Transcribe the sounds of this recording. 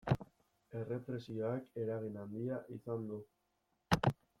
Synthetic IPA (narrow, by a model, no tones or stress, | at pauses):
e̞re̞pɾe̞sio̞ake̞ɾaɣ̞inand̪iaʔisand̪u